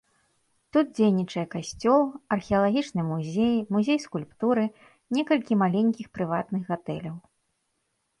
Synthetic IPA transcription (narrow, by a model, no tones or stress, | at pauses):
t̪ud̪̚d͡zʲejnʲit͡ʂɐjɛkasʲt͡sʲɔlˠɐrxʲɛɐlˠaɣʲit͡ʂnɨmuzʲejmuzʲejskulʲpt̪uɾɨ | nʲɛkɐlʲkʲimalʲenʲkʲixpɾɨvat̪nɨɣɣat̪ɛlʲɐw